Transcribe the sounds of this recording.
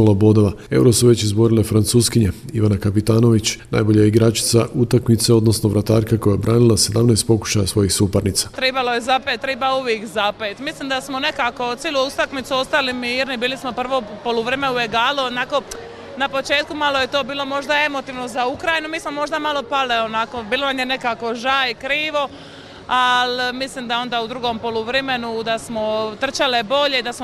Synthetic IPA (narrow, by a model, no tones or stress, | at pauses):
lobod̪oʋae̞̰wɾo̞suʋe̞t͡ɕizbo̞ɾilefɾant̪suːskiɲeiʋanakapit̪aːno̞ʋit͡ɕna̰jbo̞ʎajiɡɾaːt͡ʃi̥t̪saʔut̪akmit̪se̞o̞d̪no̞snoʋɾat̪aːɾkako̞jajbɾaːnilˠase̞d̪amneːst̪̚po̞ku̥ʃajasʋo̞jixsupaɾnit̪sḁt̪ɾebalo̞jezapet̪ːɾebauʋjeːkzapet̪mislimd̪asmone̞kako̞t̪seluust̪akmit̪suo̞st̪alimiiɾnibiːlismo̞pr̩ʋo̞polˠuʋɾeːmeue̞ɡaːluonako̞ | napo̞t͡ʃe̞ːt̪̚kumalo̞je̞t̪o̞ːbiːlo̞mo̞ʒd̪ae̞mo̞t̪iːʋno̞zaukɾajinumiːsmo̞mo̞ʒd̪amalo̞paleonako̞biːlˠonamjene̞kaːko̞ʒaːjikɾiːʋo̞ | almislimd̪ao̞nd̪aːud̪ɾuɡo̞mpo̞luʋɾeme̞nud̪asmo̞t̪r̩t͡ʃalebo̞ʎe̞id̪asmo